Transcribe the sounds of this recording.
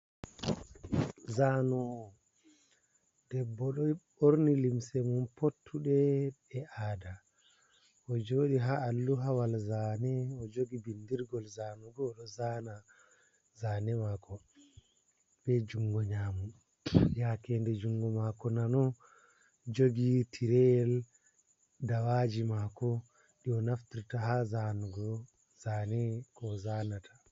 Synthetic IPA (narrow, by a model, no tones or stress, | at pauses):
zanɔ | dɛbːɔɗɔɓoɾnilimsɛmunpotʰːuɗɛɛʔada | ɔd͡ʒoɗiɦaːlːuɦawalzaːnɛɔd͡ʒoɡibindiɾɡɔlzaːnɔdɔːɗɔzaːna | zaːnɛmakʰɔ | bɛd͡ʒuŋɡɔɲaːmu | jakɛndɛd͡ʒuŋɡɔmakɔnanɔ | d͡ʒoɡitʰiɾɛjɛl | dawad͡ʒimakɔ | ɗiɔnaftiɾtaɦazanuɡɔ | zaːnɛkɔzaːnatʰḁ